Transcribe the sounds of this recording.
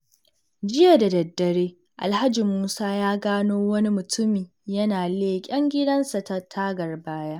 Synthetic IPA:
d͡ʒɪ˦ja˨da˨dɐ˨dːɐ˨ɽeː˦ | ʔa̰˨lha˦d͡ʒi˨muː˦saː˦jaː˦ɡaː˦noː˦wɐ˦ni˦mʊ˨tʰʊ˦miː˨ | jɐ˦naː˨leː˦kʲʼɐ˦ŋɡʲɪ˦dɐ˦nsa˨ta˦tʰaː˦ɡɐ˨rbaː˦ja˦ʔ

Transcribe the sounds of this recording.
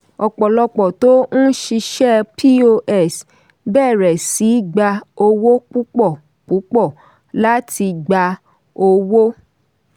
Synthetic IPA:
ɔ˧k͡pɔ˨lɔ˧k͡pɔ˨to˦ñ̩˦ʃi˧ʃɛ˦pi˦o˧ʔɛ˦˨s | bɛː˦˨ɾɛ˨si˨˦ɡ͡ba˧o˧wo˦k͡pu˦k͡pɔ˦˨ | k͡pu˨˦k͡pɔ˦˨ | la˦ti˧ɡ͡ba˧ | o˧wo˦

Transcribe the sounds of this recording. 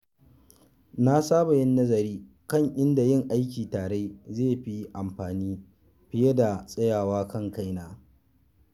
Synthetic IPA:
na˦saː˦ba˨jɪ˦nːɐ˦zɐ˨ɾiː˦ | kɐ˦˨ŋʔɪ˦nda˨jɪ˦˨ŋʔa˦jkʲiː˨taː˨ɽe˦zeː˦˨ɸi˦ʔa˨mɸaː˨niː˦ | ɸɪ˦je˦da˨sʼɐ˦jaː˨waː˦kɐ˦˨ŋka˦jnaː˨

